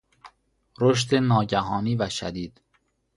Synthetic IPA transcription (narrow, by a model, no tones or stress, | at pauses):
ɾoʃ̬t̪enɒːɟæɦɒːniːvæʃæ̰d̪iːd̪̥